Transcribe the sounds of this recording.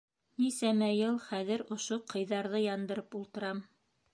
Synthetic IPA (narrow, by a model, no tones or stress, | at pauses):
nisæmæjɤlˠχæðɘ̆ɾŏʃoqʰɤ̆jðɑɾðɤjɑnd̪ɤ̆ɾɤpulˠt̪ɤ̆ɾɑm